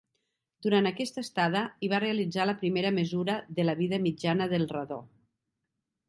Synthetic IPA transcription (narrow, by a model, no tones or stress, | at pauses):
d̪̥uɾant̪əkɛst̪əst̪að̞əiβ̞areəlid͡zaləpɾimeɾəməzuɾəðələβiðəmid͡ʒanəðəlˠrəðo̰